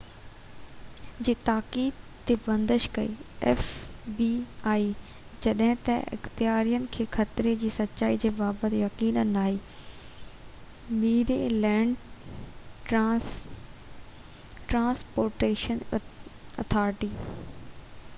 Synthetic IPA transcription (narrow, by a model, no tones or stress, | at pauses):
d͡ʑiːt̪aːkiːd̪t̪ebɐ̃nd̪əʃkɐḭːɛːfbiaːi | d͡ʑɐɗɦɪ̃t̪ɐʔɪ̰xt̪ɪjaːɾijənɪ̆kʰeːxʰɐt̪ɪɾed͡ʑiːsɐtːt͡ɕaːid͡ʑeːbaːbət̪jɐkiːnənaːɦiː | miːɾelɛ̃ːɳɖ | ʈɾãːspoːɾʈeːʃən | ɐ̰t̪ʰaːɾɪʈiː